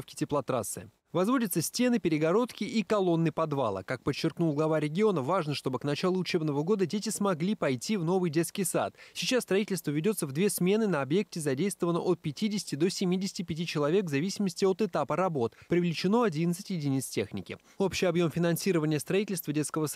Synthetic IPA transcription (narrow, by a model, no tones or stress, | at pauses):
fkʲɪ̥tʲɪplˠɐt̪ɾat̪sɨ | vɐzvo̞dʲɪt̪səsʲtʲe̞nɨpʲɪɾʲɪɡɐɾo̞t̪kʲɪʔikɐlˠo̞nːɨpɐd̪va̰lˠə̰kak̚pət͡ɕːɪrknulˠɡlˠɐvaɾʲɪɡʲɪo̞nəvaʐnəʂt̪o̞bɨknɐt͡ɕalˠʊʊt͡ɕe̞bnəvəɡo̞d̪ədʲet̬ʲɪsmɐɡlʲipɐjtʲivno̞vɨjdʲe̞t̪skʲɪjsa̰t̪sʲɪt͡ɕasst̪ɾɐitʲɪlʲst̪vəvʲɪdʲo̞t̪səvd̪vʲe̞smʲe̞nɨnəɐbje̞k̚tʲɪzɐdʲejst̪vəvənːəʔot̪̚pʲɪtʲidʲɪsʲɪ̥tʲɪd̪o̞sʲɪmʲidʲɪsʲɪ̥tʲɪpʲɪt̬ʲit͡ɕɪlˠɐvʲe̞kvzɐvʲisʲɪməsʲtʲɪo̞t̪ɨt̪apəɾɐbo̞t̪pɾʲɪvlʲɪt͡ɕɪno̞ɐdʲinət̪sɨtʲjɪdʲɪnʲit̪stʲe̞xnʲɪ̰kʲɪ̰ | o̞pɕːɪjɐbjo̞mfʲɪnɐnsʲiɾəvənʲɪjəst̪ɾɐitʲɪlʲst̪vədʲe̞t̪skəvəs